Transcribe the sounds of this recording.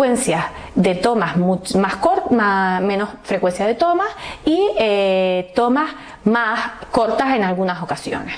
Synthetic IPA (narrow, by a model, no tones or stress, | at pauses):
wensja | ðet̪o̞masmut͡ʃmaskoɾmamẽnosfɾekwe̞nsjaðe̞t̪o̞masiet̪o̞mas | masko̞ɾt̪ase̞nalɣunaso̞kasjo̞̰nes